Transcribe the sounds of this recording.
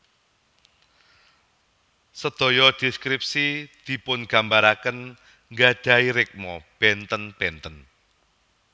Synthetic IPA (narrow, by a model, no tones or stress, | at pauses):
səd̪̥o̤jɔd̪̥iskɾip̚sid̪̥i̤pʊnɡ̥ambaɾakən | ŋɡḁd̥a̤iɾɪk̚mɔb̥ɛnt̪ənb̥ɛnt̪ən